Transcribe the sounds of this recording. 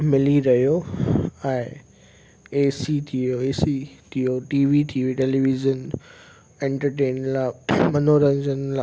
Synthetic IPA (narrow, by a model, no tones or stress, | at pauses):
mɪliɾɐijo | ɛ̃ɪ̃ | eːsit̪ʰijoeːsit̪ʰijoʈiːʋit̪ʰiːʋiʈeːliʋizən | ẽɳʈəɾʈeːnlamɐnoɾɐ̃ɲd͡ʑənla